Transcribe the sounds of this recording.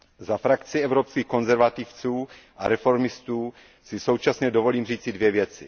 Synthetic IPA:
zafɾakt͡sɪɛvɾopskiːxko̞nzɛɾvat̪ift͡suː | ʔa̰ɾɛfo̞ɾmɪst̪uː | sɪso̞wt͡ʃasɲɛdovo̞liːmriːt͡sɪdvjɛvjɛt͡sɪ̰

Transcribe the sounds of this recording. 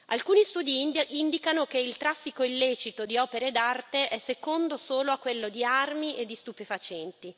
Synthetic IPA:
alkuːnist̪uːd̪iind̪ikanokeilt̪ɾafːikoilːeːt͡ʃit̪od̪iɔːpeɾed̪art̪eʔɛsːekond̪osoːloakːwelːod̪iarmiʔed̪ːist̪upefat͡ʃɛnt̪i

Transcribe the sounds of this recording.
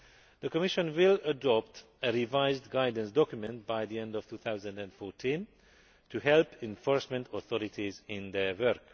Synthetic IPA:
d̪̥əkɔmiʃə̃nwɪlədɔp̚t | əɾivajzdɡajdə̃nsdɔkjumɛ̃nt̚bajd̪iɛ̃ndɔv̥tʰuːθawzə̃ndæ̃ndfɔɹtʰĩn | tʰuɦɛlpʰɛ̃ɱfɔɹsmɛ̃ntʰɔθɔɾitʰizɪ̃nd̪ɛwɜɾk

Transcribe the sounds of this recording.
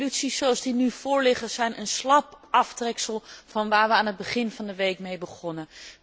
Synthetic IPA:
lytsisowɑlˠzdinyv̥ʊːɹlɪχəzɛjnʔənslɑp | ɑftrɛksəlˠvɑnʋaːɹʋəaːnɦəd̚bəχɪnvɑndəʋejkmejbəχɔnə

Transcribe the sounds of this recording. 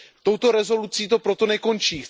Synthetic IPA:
t̪o̞wt̪o̞ɾɛzo̞lut͡siːt̪o̞pɾo̞t̪o̞nɛko̞nt͡ʃiː

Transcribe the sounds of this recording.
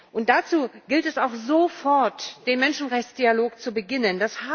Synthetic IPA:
ʔʊnt̚d̥at͡suːɡ̥ɪltɛsaʊxzofɔɐtd̥eːnmɛnʃn̩ʁɛçt͡sd̥ialoːkt͡subəɡɪnəndashaː

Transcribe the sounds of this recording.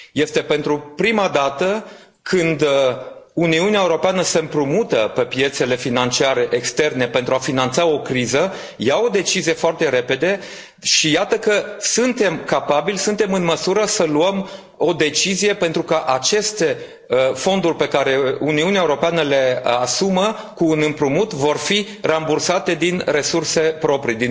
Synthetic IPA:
je̞st̪e̞pe̞nt̪ɾupɾimad̪at̪ə | kʰɨnd̪ | uniuneaeuɾo̞peanəse̞mpɾumut̪əpe̞pje̞t̪se̞le̞finant͡ʃiaɾe̞ʔekst̪e̞rne̞pent̪ɾuafinant̪sao̞kɾizə | jawo̞d̪e̞t͡ʃizije̞foart̪e̞ɾe̞pe̞d̪e̞ | ʃijat̪əkəsunt̪e̞mkapabilsunt̪e̞mɨnməsuɾəsəluəm | o̞d̪e̞t͡ʃizije̞pent̪ɾukəʔat͡ʃe̞st̪e̞ | fo̞nd̪urʲpe̞kaɾe̞uniuniaeuɾo̞peanəle̞asumə | kuːnɨmpɾumut̪vo̞rfi | rambursat̪e̞d̪inre̞surse̞pɾo̞pɾid̪i

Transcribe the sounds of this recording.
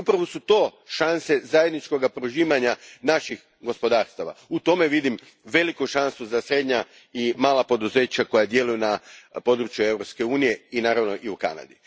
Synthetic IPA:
upɾaʋo̞sut̪o̞ːʃanse̞zaje̞d̪nit͡ʃko̞ɡapɾoʒiːʋaɲanaʃix | ɡo̞spo̞d̪aːɾst̪aʋa̰ut̪o̞me̞ʋid̪im | ʋe̞likuʃansuzasɾe̞d̪ɲa | imaːlˠapo̞d̪uze̞ːt͡ɕako̞jad̪je̞lujunapo̞d̪ɾut͡ʃjue̞wʋɾo̞pske̞uːnije̞inaːɾaʋno̞ʔiuka̰na̰d̪i

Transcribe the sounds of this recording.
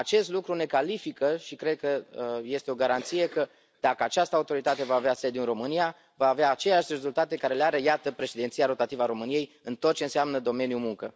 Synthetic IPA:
at͡ʃe̞st̪lukɾune̞kalifikəʃikɾe̞d̪̚kəje̞st̪eo̞ɡaɾant̪sije̞kə | d̪̥akəat͡ʃast̪əaut̪o̞ɾit̪at̪e̞vaːvease̞d̪juinɾo̞mɨnija | vaːveaːt͡ʃe̞leaʃʲre̞zult̪at̪e̞kaɾe̞leaɾe̞jat̪əpɾe̞ʃed̪ent̪sijaɾo̞t̪at̪ivəaɾo̞mɨnije̞j | ɨnt̪ot̪̚t͡ʃe̞ɨnseamnəd̪o̞me̞njumuŋkə

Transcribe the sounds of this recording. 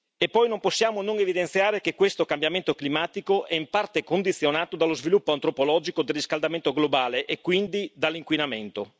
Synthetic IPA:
epːɔjnomposːjaːmonoŋevid̪ent̪sjaːɾekekwest̪okambjament̪oklimaːt̪ikoʔɛimpart̪ekond̪it̪sːjonaːt̪od̪alozvilupːoant̪ɾopolɔːd͡ʒikod̪elrːiskald̪ament̪oɡlobaːleʔekːwind̪id̪alːiŋkwinament̪o

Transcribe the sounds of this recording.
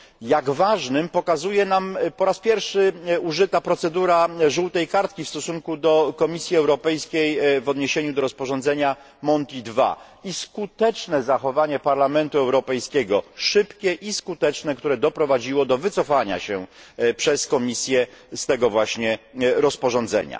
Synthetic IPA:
jaɡvaʐnɘmpɔkazujɛnampɔɾaspʲjɛɾfʂɘuʐɘt̪apɾɔt̪sɛd̪uɾaʐuwt̪ɛjkaɾt̪kʲifst̪ɔsuŋkud̪ɔkɔmʲisʲjiɛwɾɔpɛjskʲejvɔd̪ɲeɕeɲud̪ɔɾɔspɔʐɔnzɛɲa | mɔnt̪id̪va̰ | iskut̪ɛt͡ʂnɛzaxɔvaɲɛpaɾlamɛnt̪uɛwɾɔpɛjskʲɛɡɔʂɘpkʲɛʔiskut̪ɛt͡ʂnɛkt̪uɾɛd̪ɔpɾɔvad͡ʑiwɔd̪ɔvɘt̪sɔfaɲa̰ɕɛpʂɛskɔmʲisʲjɛst̪ɛɡɔvwaɕɲɛɾɔspɔʐɔnzɛ̰ɲa̰

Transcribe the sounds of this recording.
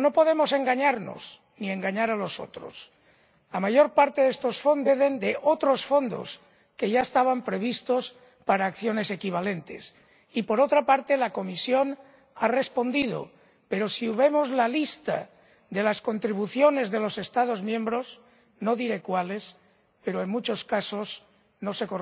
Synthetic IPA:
no̞po̞ð̞e̞mo̞se̞ŋɡaɲaɾno̞̰s | nie̞ŋɡaɲaɾalo̞so̞̰t̪ɾo̰s | lamaʝo̞ɾpaɾt̪e̞ðe̞st̪o̞sfo̞nd̪eðe̞nd̪e̞ʔot̪ɾo̞sfo̞nd̪o̞̰s | ke̞ʝaest̪aβampɾe̞β̞ist̪o̞s | paɾaːkθjo̞ne̞se̞kiβ̞ale̞nt̪e̞̰s | ipo̞ɾo̞t̪ɾapaɾt̪e̞lako̞misjo̞n | are̞spo̞nd̪iðo̞̰ | pe̞ɾo̞siβe̞mo̞zlalist̪a̰ | ðe̞lasko̞nt̪ɾiβ̞uθjo̞ne̞zðe̞lo̞se̞st̪að̞o̞zmjẽ̞mbɾo̞s | no̞ðiɾe̞kwale̞s | pe̞ɾoeŋmut͡ʃo̞skaso̞z | nose̞ko

